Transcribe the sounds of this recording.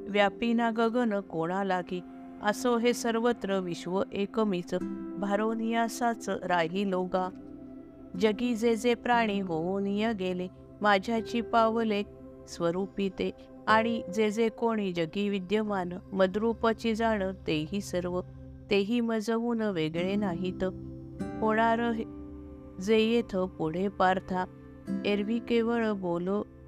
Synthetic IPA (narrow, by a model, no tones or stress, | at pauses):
ʋjapinaɡəɡənəkoɽ̃alaki | ə̰soɦesəɾʋət̪ɾəʋiɕʋəʔekəmit͡sbʱaɾonijasat͡sɾaɦiloɡa | d͡ʑəɡid͡zed͡zepɾaɽ̃iɦoonijaɡele | mad͡ʑʱjat͡ɕipaʋlek̚ | sʋəɾupit̪e | aɽ̃id͡zed͡zekoɽ̃id͡ʑəɡiʋid̪jəmanməd̪ɾupət͡ɕid͡zaɽ̃ət̪eɦiːsəɾʋə | t̪eɦiːməd͡zəʋuːnʋeɡɭenaɦit̪ə | ɦoɽ̃aɾəɦ | d͡zejet̪ʰəpuɽ̤epaɾt̪ʰa | eɾʋikeʋəɭbolə